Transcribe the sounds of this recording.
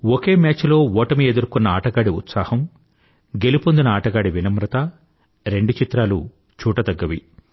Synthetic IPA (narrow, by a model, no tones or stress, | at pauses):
woke̞ːmjaːt͡ʃlo̞ːʋɔːʈɐmie̞d̪uɾkunːɐaːʈɐɡaːɽiut̪saːhɐm | ɡe̞lipond̪unɐaːʈɐɡaːɽiʋinɐmɾɐt̪ɐ | ɾe̞ɳɖut͡ʃit̪ɾaːlu | t͡ʃuːʈɐd̪ɐɡːɐʋḭ